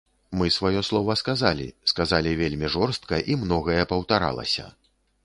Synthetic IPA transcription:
mɨsvajɔslˠɔvɐskazalʲḭskazalʲivʲelʲmʲiʐɔrst̪kɐʔimnɔɣɐjɛpɐwt̪aɾa̰lˠɐ̰sʲɐ̰

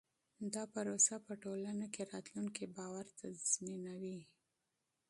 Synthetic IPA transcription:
d̪ɑpəɾosapəʈolanakeɾɑt̪luŋkebɑwaɾt̪az̥minawi

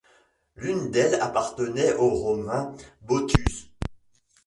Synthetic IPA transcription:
lynd̪ɛlapaʁt̪ənɛʔoʁɔmɛ̃bot̪ʰys

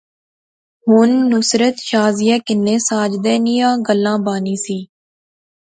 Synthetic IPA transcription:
ɦʊnːʊsɾət̪ʃaːzɪjɛːkɪnːeːsaːd͡ʒd̪ɛːnijãːɡəlːãːbaːniːsiː

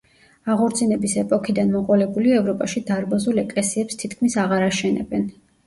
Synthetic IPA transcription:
aʁɔɾt̪sʰinɛbisɛpʼɔkʰid̪anmɔqʼɔlɛbuliɛvɾɔpʼaʃid̪aɾbazulɛkʼlɛsiɛpst̪ʰit̪ʰkʰmisaʁaɾaʃɛnɛ̰bɛn

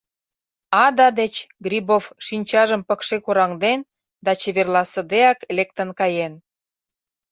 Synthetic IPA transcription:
ɑd̪ɑd̪et͡ɕɡrʲibofʃinʲt͡ɕɑʒəmpə̆kʃekuɾɑŋd̪en | d̪ɑt͡ɕeβerlɑsə̆d̪eɑklekt̪ənkɑjen

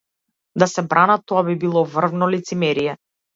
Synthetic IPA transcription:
d̪asɛbɾanat̪ɔabibilˠɔvr̩vnɔlit̪simɛɾijɛ

